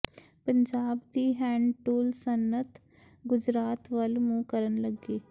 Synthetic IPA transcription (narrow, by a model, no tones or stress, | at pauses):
pəɲd͡ʒaːbd̪iːɦɛ̃ːɳɖʈuːlsənːət̪ | ɡʊd͡ʒɾaːt̪ʋəlmũːkəɾənləɡiː